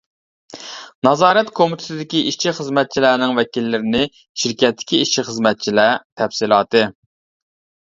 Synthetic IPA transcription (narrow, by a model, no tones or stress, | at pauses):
nɑzɑːɾɛt̪kʰomɪt̪ʰɪ̥t̪ʰɪd̪ɪkʲiʔiʃt͡ʃʰiχəzmɛt̪̚t͡ʃʰilæːnɪŋvɛkʲilːɪɾɪnɪ | ʃiɾkʲɛt̪ʰːɪ̥kʲiiʃiχəzmɛt̪̚t͡ʃʰilæt̪ʰɛfsilˠɑːt̪ɨ